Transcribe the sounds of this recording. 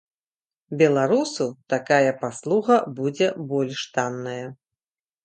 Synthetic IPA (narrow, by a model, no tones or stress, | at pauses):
bʲɛlˠaɾusut̪akajɐpaslˠuɣɐbud͡zʲɛbɔlʲʂt̪anːɐjɐ